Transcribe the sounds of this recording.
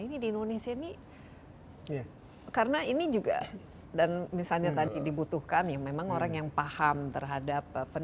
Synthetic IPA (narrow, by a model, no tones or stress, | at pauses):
inidiːndonesiaini | kaɾənainid͡ʒuɡa̰ | danmisalɲat̪adidibut̪uhkanjamemaŋoɾaŋjaŋpahamt̪ərɦadap̚pːən